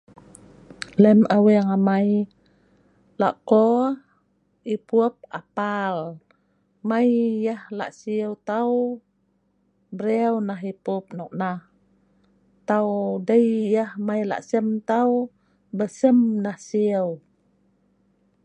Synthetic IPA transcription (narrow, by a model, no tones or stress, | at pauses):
ləmʔaweŋamaj | la̰ʔko | ipup̚apal | majjəhla̰ʔsiəwt̪aw | bəɾewnaɦipup̚nɔk̚nah | t̪awdəjjəhmajla̰ʔsəmt̪aw | bəsəmnahsiəw